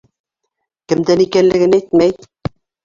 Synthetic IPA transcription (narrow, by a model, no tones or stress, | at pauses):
kɘ̆md̪ænikænlɘ̆ɡɘnæjt̪mæj